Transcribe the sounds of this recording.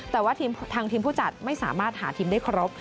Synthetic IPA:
t̪ɛː˨˩waː˥˩t̪ʰiː˧mt̪ʰaː˧ŋt̪ʰiː˧mpʰuː˥˩t͡ɕa˨˩t̪̚ma˥˩jsa̰ː˩˦maː˥˩t̪̚haː˩˦t̪ʰiː˧mdaː˥˩jkʰɾo˦˥p̚

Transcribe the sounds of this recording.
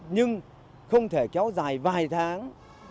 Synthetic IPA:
ɲɨ˧ŋ | xə˧wŋ͡mt̪ʰe˧˩kɛ˨˦wzaː˨˩jvaː˨˩jt̪ʰaː˨˦ŋ

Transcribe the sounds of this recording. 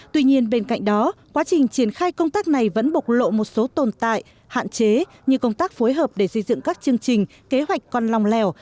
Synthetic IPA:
t̪wi˧ɲi˧ənɓe˧nka̰˧˨jŋ̟̚ɗɔ˨˦kwaː˨˦t͡ɕï˨˩ŋ̟t͡ɕi˧˩ənxaː˧jkə˧wŋ͡mt̪aː˦˥k̚na˨˩jvə̰˧˥nɓʊ˨˩k͡pk̚lo̰˧˨mo˨˩t̚so˨˦t̪o˨˩nt̪a̰ː˧˨j | ha̰ː˧˨nt͡ɕe˨˦ | ɲɨ˧kə˧wŋ͡mt̪aː˦˥k̚fo˨˦jɦəː˨˩p̚ɗe˧˩sə˧jzɨ̰˧˨ŋkaː˦˥k̚t͡ɕɨ˧əŋt͡ɕï˨˩ŋ̟ | ke˨˦ɦwa˨˩jk̟̚kɔ˧nla˨˩wŋ͡mlɛ˨˩w

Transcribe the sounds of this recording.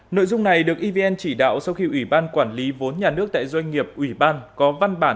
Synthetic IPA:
no̰˧˨jzʊ˧ŋ͡mna˨˩jɗɨ˨˩ək̚ʔi˧ve˧ɛ˧nt͡ɕi˧˩ɗa̰ː˧˨wsa˧wxi˧ʔwi˧˩ɓaː˧nkwaː˧˩nli˨˦vo˨˦nɲaː˨˩nɨ˦˥ək̚t̪a̰ː˧˨jzwa˧jŋ̟ŋi˨˩əp̚ʔwi˧˩ɓaː˧nkɔ˨˦va˧nɓaː˧˩

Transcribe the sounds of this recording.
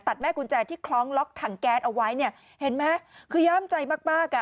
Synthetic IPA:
t̪a˨˩t̪̚mɛː˥˩ku˧nt͡ɕɛː˧t̪ʰiː˥˩kʰlɔː˦˥ŋlɔ˦˥k̚t̪ʰaː˨˩ŋkɛː˦˥t̪ʔa˧wa˦˥jni˥˩ɐ | he˨˩˦nmɛ˦˥kʰɯː˧jaː˦˥˩mt͡ɕa˧jmaː˥˩k̚maː˥˩kːa˨˩

